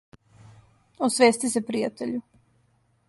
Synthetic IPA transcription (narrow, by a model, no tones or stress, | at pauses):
osʋeːst̪isepɾijat̪eʎu